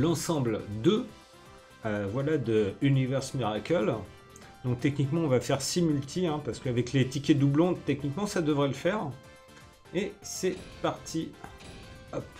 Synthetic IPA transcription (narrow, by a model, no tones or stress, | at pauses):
lɑ̃sɑ̃bld̪ə | øvwalad̪əynivɛʁsmiʁakʲœl | d̪ɔ̃k̚t̪ɛknikmɑ̃ɔ̃vafɛʁsimylt̪ʰiɛ̃paʁsə̥kəavɛklet̪ikʲed̪ublɔ̃d̪t̪ɛknikmɑ̃sad̪əvʁɛləfɛʁ | esɛpaʁt̪ʰi | ɔp